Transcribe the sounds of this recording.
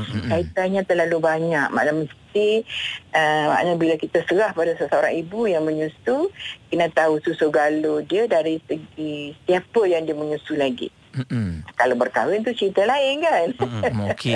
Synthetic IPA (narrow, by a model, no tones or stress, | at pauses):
kait̪aɲãt̪ərlalubaɲak̚ma̰ʔlaməst̪iʔəma̰ʔnabilakit̪ast̪əɾahpadasəsaoɾaŋibujaŋmə̃ɲusukənãt̪aususuɡalodiədaɾisəɡist̪iapəjaŋdiəməɲusulaɡḭ | kalabərkawɪnt̪̬ut͡ʃəɾit̪alaɪnkank